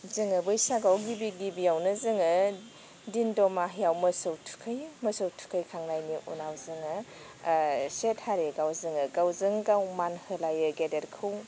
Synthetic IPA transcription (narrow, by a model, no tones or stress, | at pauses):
zɯŋɯbɯjsaɡawɡibiɡibijawnɯzɯŋɯ | dindɔmaɦjawmɐsowtʰu̥kʰɯjmɐsowtʰu̥kʰɯjkʰaŋnajniʔṵnawzɯŋɯ | set̚haɾeɡawzɯŋɯɡawzɯŋɡawmanhɯlajɯɡedeɾkʰɯw